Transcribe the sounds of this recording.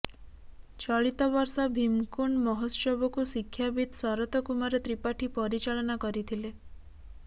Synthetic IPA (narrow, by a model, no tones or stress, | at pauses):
t͡ʃɔɭit̪ɔbɔɾsɔbʱimkuɳmɔɦosɔbɔkusikʰːjabid̪sɔɾɔt̪ɔkumaɾet̪ɾipaʈʰipɔɾit͡ʃaɭɔnakɔɾit̪ʰile